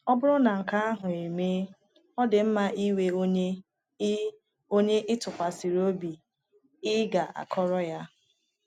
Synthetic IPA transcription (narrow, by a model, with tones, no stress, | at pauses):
ɔ˦bʊ˦ɾʊ˦na˨ŋ̩˨ka˦a˦ɦʊ˨i˨me˦ | ɔ˦dɪ˨m̩˦ma˦ʔi˦we˦o˦ɲe˦ | o˦ɲe˦ʔɪ˦tʊ˨kʷa˨si˨ɾo˦bi˨ | ɪ˦ɡa˨ʔa̰˨kʰɔ˦ɾɔ˦ja˦